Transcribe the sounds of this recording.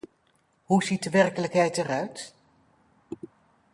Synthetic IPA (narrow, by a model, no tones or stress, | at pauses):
ɦuzit̚dəʋɛrkələkɦɛjtɛrœɥt